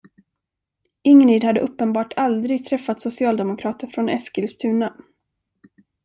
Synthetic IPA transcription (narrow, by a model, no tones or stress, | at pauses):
ɪŋniːd̪had̪ːəʔɵpːənbɑːʈʰald̪ɾɪɡ̚t̪ʰɾɛfːat̪sʊsɪɑːld̪ɛmʊkʰɾɑːt̪əɾfɾɔnɛskɪlst̪ʰʉ̟ːna